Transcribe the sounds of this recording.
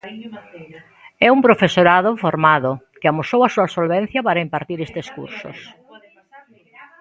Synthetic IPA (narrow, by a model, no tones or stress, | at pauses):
ɛumpɾofesoɾaðʊfoɾmaðʊ | kɪamosowɐsuɐsolβen̟θjɐpaɾaimpaɾt̪iɾest̪eskṵɾsʊ̰s